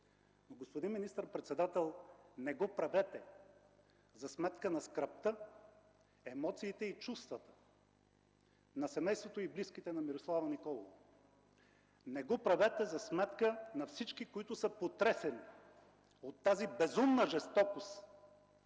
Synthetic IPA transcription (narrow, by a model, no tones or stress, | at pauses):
noɡospod̪inminist̪əɾpɾɛt̪sɛd̪at̪ɛlˠnɛɡɔpɾɐvɛt̪ɛ | zɐsmɛt̪kənɐskɾɐpt̪ə | ɛmɔt̪siːt̪ɛit͡ʃust̪vɐt̪ə̥ | nɐsɛmɛjst̪vot̪oibliskit̪ɛnɐmiɾoslˠavɐnikɔlˠov | nɛɡɔpɾɐvɛt̪ɛzɐsmɛt̪kənɐfsit͡ʃkikoit̪ʊsəpot̪ɾɛsɛni | ot̪ːazibɛzumnəʒɛst̪ɔkos